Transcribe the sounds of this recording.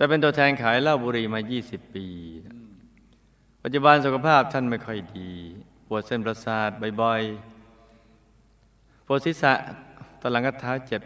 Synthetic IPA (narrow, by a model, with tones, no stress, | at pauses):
t̪ɛː˨˩p̬e˧nt̪u˧ət̪ʰɛː˧nkʰaː˩˦jla˥˩wbuː˧ɾiː˧maː˧jiː˥˩si˨˩pːiː˧ | pa˨˩t̪̚t͡ɕu˧˩ba˧ns̬u˨˩kʰa˧pʰaː˥˩p̚t̪ʰa˥˩nma˥˩jkʰɔ˥˩jdiː˧ | pʰu˨˩ət̪̚se˧˩npɾa˧saː˨˩t̪̚bɔ˨˩jbɔ˨˧˩j | pʰu˨˩ət̪̚si˦˥sa˧˩ʔt̪a˧˩la˨˩˦ŋka˧˩t̪ʰːaː˦˥wt͡ɕe˨˩p̚